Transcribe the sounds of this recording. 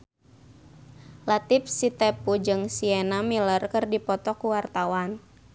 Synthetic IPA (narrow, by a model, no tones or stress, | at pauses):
lat̪ɪf̚sit̪ɛpud͡ʒɨŋsiɛnamilərkɨrdipɔt̪ɔkuwart̪awan